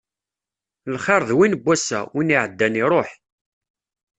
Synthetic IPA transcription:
lχeɾˤðwinbːæsːæ̰winiʕəd̪ːæniɾˤoħ

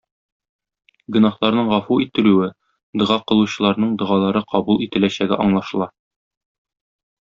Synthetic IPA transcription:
ɡɵ̆nɑhlˠɑɾnɤɴʁɒfuit̪ɘ̆lʉwɘ | d̪ɤ̆ʁɑqɤ̆lˠuɕɤ̆lˠɑɾnɤɴd̪ɤ̆ʁɑlˠɑɾɤqʰɒbulˠit̪ɘ̆læɕæɡæ̰ʔɒɴlˠɑʃɤ̆lˠɑ

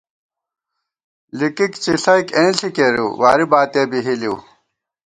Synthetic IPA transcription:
likikt͡ɕiɬɐikẽːɬikeɾuwaːɾibaːt̪eːbiɦiliː

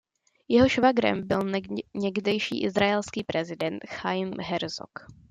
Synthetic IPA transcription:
jɛɦoʃvaɡɾɛ̰mbɪlɲɛɡdɛjʃḭːʔɪzɾaɛlskiːpɾɛzɪdɛnt̪xajmɦɛɾzo̰k

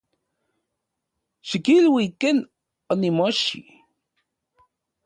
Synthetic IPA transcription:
ʃəkilwikən | nimoʃḭ

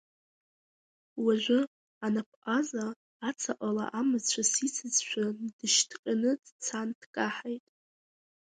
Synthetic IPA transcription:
waʒᶣʷʊ | anapʰʔʼazaː | t͡sʰaʔʼala̰ʔamɨzt͡ʃʷʰasit͡sʰɨzʃʷʰᶣad̥ɨʃtʰqʲʼanɨdt͡sʰantʰkʼaħajtʼ

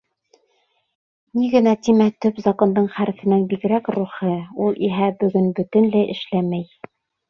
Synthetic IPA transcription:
niɡɘ̆næt̪imæt̪ɵpzɑqɤ̆nd̪ɤɴχæɾɘ̆fɘ̆nænbikɘ̆ɾækɾuχɤulˠʔiɦæbɵ̆ɡɵnbɵ̆t̪ɘ̆nlæjʔɘ̆ʃlæmæj

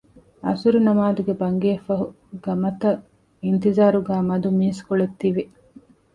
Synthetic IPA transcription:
ɐ̰suɾinɐmaːd̪uɡebɐŋɡeːfɐɦu | ɡɐmɐt̪ɐ | int̪izaːɾuɡæːmɐd̪umiːskoɭet̪ːiʋi

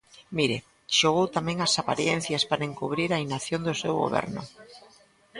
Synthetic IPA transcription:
miɾe | ʃoɣ̞owt̪amẽŋasapa̰ɾjen̟θjaspaɾaeŋkuβ̞ɾiɾainaθjond̪osewɣo̰βɛ̰ɾnʊ̰

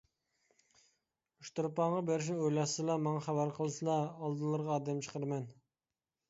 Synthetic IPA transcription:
uʃt̪uɾpɑʁɑbeɾɪʃ̬nɪojlˠɑslˠɑmɑŋɑχæbæɾqʰəlˠɨsɨlˠɑːlˠd̪ɨlˠɨɾʁɑːd̪ɛmt͡ʃʰə̥qʰəɾmɛn

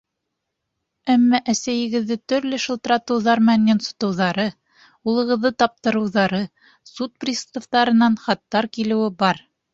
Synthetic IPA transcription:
æmːæʔæsæjɘ̆ɡɘ̆ðːɘt̪ɵ̆ɾlɘʃɤ̆lˠt̪ɤ̆ɾɑt̪ɤ̆wðɑɾmænːensŏ̥t̪ɤ̆wðɑɾɤ | ulˠɤ̆ʁɤ̆ðːɤt̪ɑp̚t̪ɤ̆ɾɤ̆wðɑɾɤ | sut̪̚prʲist̪oft̪ɑɾɤ̆nɑnχɑt̪ːɑɾkilɘ̆wɘbɑɾ

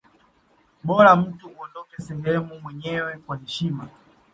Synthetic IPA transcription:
ɓɔɾam̩tuɔndɔkɛsɛhɛmumwɛɲɛwɛkwahɛʃima

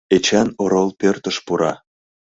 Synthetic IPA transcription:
et͡ɕɑnoɾolˠpørt̪ə̆ʃpuɾɑ

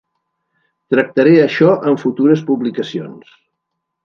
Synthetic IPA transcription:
t̪ɾək̚t̪əɾeəʃɔʔəɱfut̪uɾəspuβlikəsions

